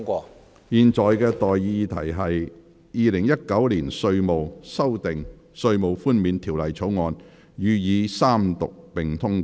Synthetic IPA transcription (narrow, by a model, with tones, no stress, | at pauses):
kʷɔː˧ | jiː˨˧nt͡sɔː˨jkɛː˧t̪ɔː˨jːiː˧t̪ʰɐ˨˩jɦɐ˨j | jiː˨˧lɪ˨˩ŋjɐ˥t̚kɐ˨˥wliː˨˩nsɵ˧ɥmo˨wsɐ˥wt̪ɪ˨ŋ | sɵ˧ɥmo˨wfuː˥nmiː˨˧nt̪ʰiː˨˩wlɐ˨˩jt͡sʰo˨˥wŋɔː˨˧n | jyː˨˧jiː˨˧saː˥mt̪ʊ˨k̚pɪ˨ŋt̪ʰʊ˥ŋ˦